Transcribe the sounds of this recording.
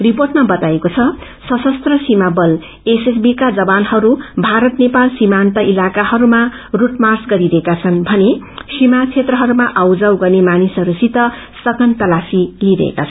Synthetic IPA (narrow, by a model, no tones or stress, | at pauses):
riporʈmabʌt̪aekot͡sʰʌ | sʌsʌst̪rʌsimabʌl | eses̬bikad͡zʌbanhʌɾubʱaɾʌt̪nepalsimant̪ʌʔilakahʌɾuma | ruʈmarsɡʌɾiɾʌekat͡sʰʌnbʱʌne | simat͡sʰet̪rʌɦʌɾumaʔʌwd͡zʌwɡʌnemanisʌɾusit̪ʌ | sʌkʌnt̪ʌlafiliɾʌ̰ḛkat͡sʰʌn